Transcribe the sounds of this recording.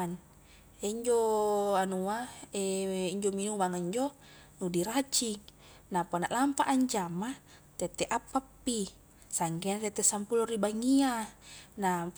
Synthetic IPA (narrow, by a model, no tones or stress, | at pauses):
n | eɲd͡ʒoanuaeiɲd͡ʒominumaŋiɲd͡ʒo | nudiɾat͡ʃiŋ | napanaʔlampaʔːɲd͡ʒama | t̪et̪ɛʔapːapːi | saŋɡɛnat̪et̪ːɛsampuloribaŋiana